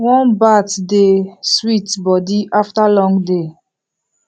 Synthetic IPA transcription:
wɔ̃nbatdeswitbɔdiʔaftalɔ̃ŋɡde

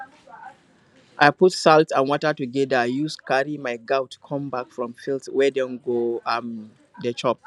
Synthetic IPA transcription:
ʔaɪputsaltsãnwɔtətuɡɛdəajuskaɹimaɪɡaʊtkʰɔ̃mbakfɹɔ̃mfiltwɛdɛ̃nɡoãm | dət͡ʃʰɔp̚

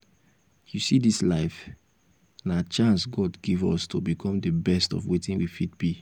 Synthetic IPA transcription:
jusidislaɪf | nat͡ʃãnsɡɔdɡivɔstʰobikʰɔ̃mdəbɛstɔ̰vwetĩnwifit̚b̥i

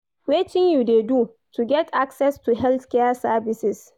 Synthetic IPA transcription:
wɪt͡ʃɪŋjudedu | tʰuɡɛtʰʔaksɛstuɦɛlθkɛasabɪsɪs

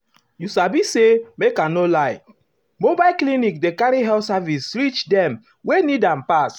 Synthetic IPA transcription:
jusabisemekanolaj | mobaɪlklinikdekaɾiɦɛlsavisɹit͡ʃdɛ̃m | wenidãmpas

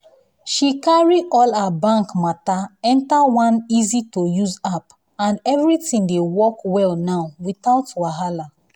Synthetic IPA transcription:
ʃikaɹiʔɔlabãŋkmataɛ̃ntawãnizitojuzap | ãnɛvɹitĩŋdewɔkwɛlnaʊwiθaʊtwaɦala

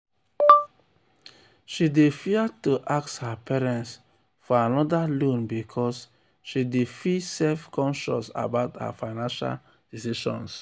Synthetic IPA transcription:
ʃidefiatuʔakshapɛɹɛ̃nts | fɔanɔdalõnbikʰɔs | ʃidefisɛlfkɔ̃nʃɔ̰sa̰baʊtha̰faɪnãnʃa̰l | d̥isiʃɔ̰̃ns

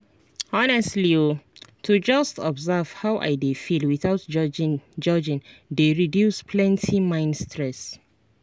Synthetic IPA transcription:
ɔnɛstliotʰud͡ʒastɔbzav̥hawʔa̰jdefilwiθaʊt | d͡ʒɔd͡ʒĩndeɹidjuspʰlɛ̃ntʰimãɪ̃nstʰɹɛs

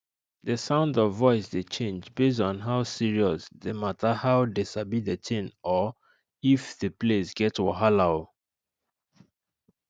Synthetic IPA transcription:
ðəsãʊ̃ndɔvːɔɪsdet͡ʃʰẽnd͡ʒbes̬ɔ̃n̩ɦaʊsiɹiɔsðematʰəhaʊdesabidetʰɪ̃nɔ | ifðəplesɡɛtwɔɦalaʊ

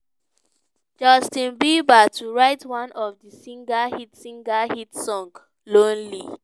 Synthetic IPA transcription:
d͡ʒɔstĩnbibatʰuɹaɪtwãnɔvdisĩŋɡahitsĩŋɡahitsɔ̃ŋɡ | lõnli

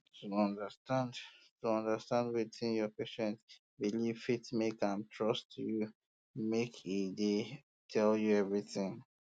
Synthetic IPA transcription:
tʰuɔ̃ndəstãnd | tuɔ̃ndəstãndwitʰĩnjɔpeʃɛ̃nt | biliv̥fitmekãmtʰɹɔstʰuju | mekʰede | tʰɛljuɛvɹiθɪ̃ŋ

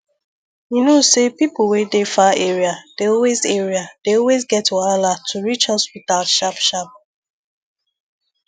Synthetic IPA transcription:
junosepipl̩wɛdefaeɹiad̥eɔlwezɛɹiad̥eɔlwezɡɛtwalatʰuɹit͡ʃhɔspitalʃapʃap̚

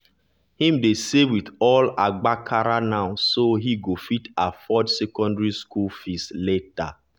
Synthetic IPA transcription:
hĩmdesewidɔlaɡ͡bakʰaɾanaʊsoɦiɡofitafɔdsɛkɔ̃ndɹiskulfisleta

